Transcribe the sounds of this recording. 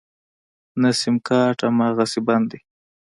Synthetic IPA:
nasɪmkɑːʈamɑːɣasiband̪e

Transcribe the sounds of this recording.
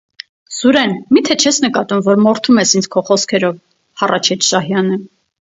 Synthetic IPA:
zuɾɛnmit̪ʰɛt͡ʃʰɛsnəkɑt̪umvɔɾmɔɾt̪ʰumɛsint͡sʰkʰɔχɔskʰɛɾɔv | hɑrʔɑt͡ʃʰɛt͡ʃʰʃɑɦjɑnə

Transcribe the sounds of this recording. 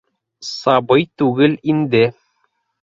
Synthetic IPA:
sɑbɤjt̪ʉɡɘlind̪ɘ

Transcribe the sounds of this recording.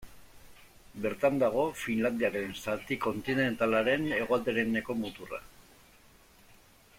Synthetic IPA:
be̞ɾt̪and̪aɣ̞o̞finland̪iaɾe̞nsat̪iko̞nt̪ine̞nt̪alaɾe̞ne̞ɣo̞ald̪eɾene̞ko̞mut̪ura̰

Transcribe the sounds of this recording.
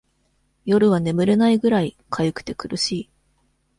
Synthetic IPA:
jo̞ɾɯ̟β̞ane̞mɯ̟ɾe̞naiɡɯ̟ɾai | kʰajɯ̟kɯ̟̥t̪e̞kɯɾɯ̟ɕiː

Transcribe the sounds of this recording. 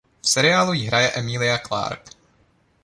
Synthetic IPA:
fsɛɾɪaːlujiɦɾʔajɛʔɛmilɪakla̰ɾp

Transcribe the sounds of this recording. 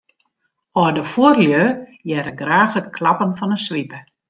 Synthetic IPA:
ɔdəfuərljøjɛɾəɡraːxhətkʰlɑpənfɔnəsʋipə

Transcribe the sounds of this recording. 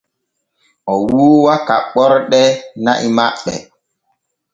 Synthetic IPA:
ʔɔwuːwakaɓɔɾɗɛna̰ʔimaɓɛ̰

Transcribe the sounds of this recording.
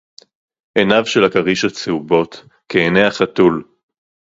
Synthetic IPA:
ʔenavʃelakaʁiʃat͡seubo̞t̪ | keːneaχat̪ul

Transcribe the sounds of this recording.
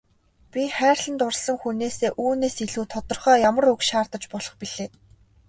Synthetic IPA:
pʲiχæːrʲɮə̆nt̪ʊrɮsə̆ŋxuneːseːʔuːneːsiɮuːt̪ʰɔt̪ɞ̆rχœːjamə̆rɵkʃaːrt̪ə̆t͡ɕpɔɮɞ̆χpiɮeː

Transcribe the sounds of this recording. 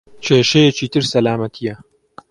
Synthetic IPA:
t͡ʃʰeːʃejet͡ʃiːt̪ɨɾsɐlaːmɐt̪ʰijɐ

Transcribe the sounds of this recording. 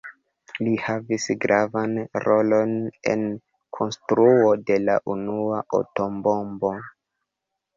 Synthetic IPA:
lihavisɡɾavanɾo̞lo̞ne̞̰n | kʰo̞nstɾuo̞de̞laʔunuaʔo̰to̞mbo̞mbo̞

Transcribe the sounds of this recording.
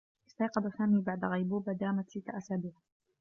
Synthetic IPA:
ʔɪst̪ɑjqɑd̪asaːmiːbaʕd̪aɣajbuːbad̪aːmat̪sɪt̪ːaʔasaːbiːʕ

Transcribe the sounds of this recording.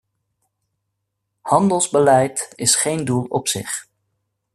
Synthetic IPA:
hɑndəlˠzbəlɛjtɪsχejndulˠɔpsɪχ

